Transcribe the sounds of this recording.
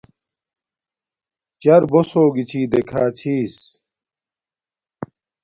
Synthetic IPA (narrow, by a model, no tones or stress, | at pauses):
t͡ɕɐɾbosoːɡit͡ɕʰiːd̪ekʰaːt͡ɕʰiːs